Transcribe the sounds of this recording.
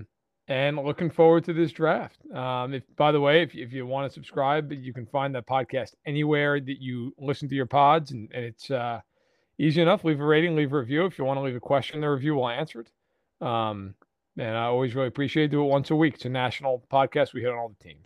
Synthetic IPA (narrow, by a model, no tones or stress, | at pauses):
ɨ̃nlʊkɪ̃ŋfɔɹwə˞d̚tʰɨðɪsdɹæft̚ʌ̃mɨfb̥aɪðəweɪɨfɪfjɨwɑ̃nɨsɨb̥skɹaɪbt͡ʃɨkn̩fãɪ̃nðɨt̚pʰɑd̚kʰæstɛniwɛɹðɨt͡ʃɨlɪsn̩tɨjə˞pʰɑdzn̩ɨ̃nɨtsʌ | iziɨnʌflivəɹeɪɾɪ̃ŋlivəɹivjʉɨfjɨwɑ̃ñəlivɨkʰw̥ɛst͡ʃɨ̃n̩ðə˞ɹɨvjʉwɪlæ̃nsə˞ɨɾ | ʌ̃m | ɨ̃naɪɔlˠwizɹɪlˠiɨpʰɹ̥iʃieɪt̚d̥ɨːt̚wʌ̃nsəwikɨ̥tsɨnæʃn̩l̩ˠpʰɑd̚kʰæst̚wihɨɾn̩ɔlˠðətʰḭ̃m